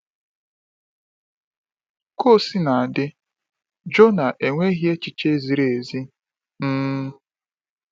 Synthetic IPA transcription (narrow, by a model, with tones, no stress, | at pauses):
ko˦˨si˦na˨a˨dɪ˦ | d͡ʒo˦na˨ʔe˨ŋʷe˦ɣje˦t͡ʃi˨t͡ʃe˦zi˨ɾe˨e˨zi˦ | n̩˦